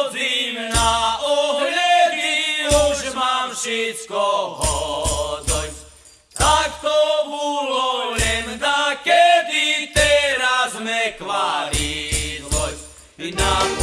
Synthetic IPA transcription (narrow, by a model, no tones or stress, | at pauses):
zimnaɔɦɲɛʋiɾuʒmamfʃɛt͡skɔɦɔzɔj | t̪akt̪ɔulɔlɛnzakɛd̪it̪ɛɾazmɛkʋaɾid̪ɔ | na